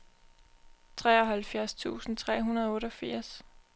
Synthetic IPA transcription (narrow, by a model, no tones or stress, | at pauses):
t͡sʰʁɛ̰ːɒɦælfjæɐst͡sʰṵːsn̩t͡sʰʁɛ̰ːɦunɐð̞ˠɔ̽ːɾɒ̽fiɐ̰s